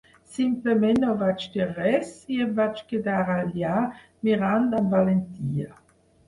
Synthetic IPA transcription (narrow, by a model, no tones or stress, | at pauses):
simplemɛnɔvat͡ʃd̪iʁɛsiɛbvat͡ʃked̪aːɾaljaː | miɾand̪anvalent̪iːa